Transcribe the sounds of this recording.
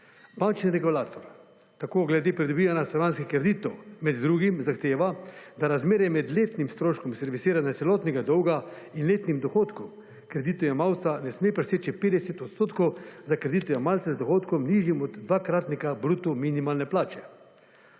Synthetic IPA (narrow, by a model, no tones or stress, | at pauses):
bant͡ʃniɾɛkɔlaːt̪ɔɾ | t̪akoːɡlɛd̪eːpɾid̪ɔbiːʋanjast̪ɾɔɾaːnskixkɾed̪iːt̪ɔwmɛd̪ːɾuːɡimzaxt̪eːʋad̪aɾazmeːɾɛmɛd̪leːt̪nimst̪ɾoːʃkɔmsɛɾʋisiːɾanat̪sɛlɔːt̪nɛɡad̪ɔwɡa | inleːt̪nimd̪ɔxoːt̪kɔm | kɾɛd̪iːt̪ɔjamawt̪sanɛsmeːpɾɛseːt͡ʃipeːd̪ɛsɛt̪ɔt̪st̪oːt̪kɔwzakɾed̪it̪ɔjamalt̪sɛzd̪ɔxoːt̪kɔmniːʒjimɔd̪ːʋaːkɾaːt̪nɛkabɾuːt̪uminimalnɛplaːt͡ʃɛ